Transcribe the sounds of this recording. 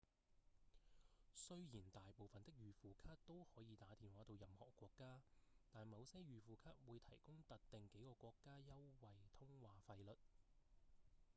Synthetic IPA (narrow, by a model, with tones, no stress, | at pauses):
sɵ˥ɥjiː˨˩nt̪aː˨jpo˨wfɐ˨nt̪ɪ˥k̚jyː˨fuː˨kʰaː˥t̚t̪o˥whɔː˨˥jiː˨˧t̪aː˨˥t̪iː˨˧nwaː˨˥t̪o˧wjɐ˨mhɔ̰ː˨˩kːwɔː˧kːaː˥t̪aː˨nmɐ˨˧wsɐ˥ɥyː˨fuː˨kʰaː˥t̚wuː˨˧jt̪ʰɐ˨˩jkʊ˥ŋt̪ɐ˨t̚t̪ɪ˨ŋke˨˥jkɔː˧kʷɔː˧kːaː˥jɐ˥wwɐ˨jt̪ʰʊ˥ŋwaː˨fɐ˧jlɵ˨t̚